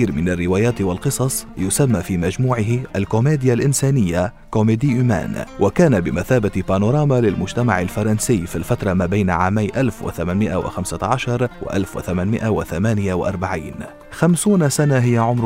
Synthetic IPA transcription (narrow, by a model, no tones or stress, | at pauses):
iːɾmɪnarːɪwaːjaːt̪walqɨsˤɑsˤjʊsamːafiːmad͡ʒmuːʕɪɦɪʔalkʊmeːd̪ɪjalʔɪnsaːnɪjːa | komeːd̪iʔʊma̰ːnwʔakaːnabɪmaθaːbat̪panʊɾˤɑːmalɪlmʊd͡ʒt̪amaʕalfɑɾˤɑnsɪːfilfat̪ɾˤɑmaːbajnʕa̰ːmajːʔalfwɪ̰θamaːnmɪʔa̰wɪ̰xamsaʕaʃɑɾˤwa̰ʔa̰lfwɪ̰θamaːnmɪʔawɪθamaːnɪjawaʔɑ̰ɾˤbaʕiːn | xamsuːnsanaɦɪjːaʕʊmɾ